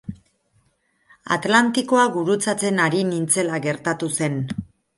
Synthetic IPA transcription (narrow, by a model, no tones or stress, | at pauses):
a̰t̪lant̪iko̞aɡuɾut͡sat͡se̞naɾinint͡se̞laɣe̞ɾt̪at̪use̞n